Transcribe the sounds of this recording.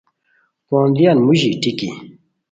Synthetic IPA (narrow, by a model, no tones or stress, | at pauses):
kɔ̃d̪ianmuʑiʈ͡ʂikḭ